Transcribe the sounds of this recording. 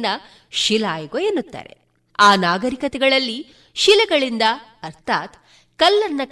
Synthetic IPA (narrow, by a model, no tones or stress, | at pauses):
nːɐ | ʃilaːjɐɡojenːut̪ːa̰ːɾe̞̰ | aːnaːɡɐɾikɐt̪ɛɡɐɭɐlːi | ʃilɛɡɐɭind̪ɐː | ɾt̪ʰaːt̪ | kɐlːɐnːɐ